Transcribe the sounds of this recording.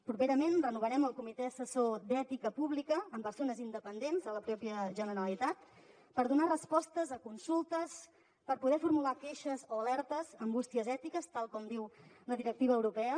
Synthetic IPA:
pɾupeɾəmenrənuβ̞əɾɛməlˠkumit̪eəsəsod̪ɛt̪ikəpuβlikəːmpəɾsonəzind̪əpənd̪enzðələpɾɔpiəʒənəɾəlit̪at̪ | pəɾðunarəspɔst̪əzəkunsulˠt̪əs | pəɾpuðɛfuɾmulakeʃəzoəlɛɾt̪əzəmbust̪iəzɛt̪ikəst̪alˠkɔmd̪iw | ləðiɾək̚t̪iβəːwɾupɛə

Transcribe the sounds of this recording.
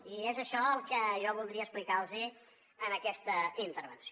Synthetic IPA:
iezəʃɔəlˠkəʒɔβulˠd̪ɾiəsplikalˠzi | ənəkɛst̪əint̪əɾβənsio

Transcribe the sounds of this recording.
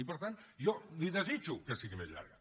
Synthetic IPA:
ipəɾt̪anʒɔliðəzit͡ʃukəsiɣimezʎa̰ɾɣə

